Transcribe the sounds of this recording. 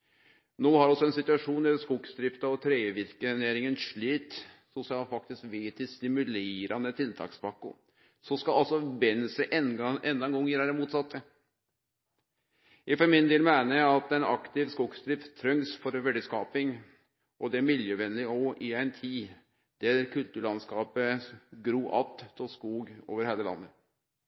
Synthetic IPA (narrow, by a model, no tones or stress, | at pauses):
noːhɑɾɔsɔɛnsɪt̪ʉɑʂuːnd̪æskʊɡsd̪ɾɪft̪ɑɔt̪ʰɾeːʋɪɾkəneːɾɪŋənʂɭiːt̪ | sʊsɪɑːlfɑk̚t̪ɪskʋeːt̪ʰɪst̪ɪmʉleːɾɑnət̪ʰɪlt̪ʰɑ̰ːkspɑkːʊ̰ | sɔskɑɑlsɔbɛnsəʔɛɛnd̪ɑɛnɡɔŋjəɾæɾəmuːt̪sɑt̪ːə | jæɪfɔɾmɪnd̪eːlmæɪnəæɑt̪ɛɪnɑ̰kt̪ɪʋskuːɡsd̪ɾɪft̪t̪ʰːɾœŋsfɔɾʋɛɖəskɑːpɪŋ | ʔɔd̪ɛæɾmɪljəʋɛnlɪɔʔɪæɪnt̪ʰiː | d̪̥æɾkʰʉlt̪ʉːɭɑnskɑːpəɡɾuːʔɑ̰t̪t̪ʰːɪskuːɡo̰ːʋəɾheːləlɑ̰nːə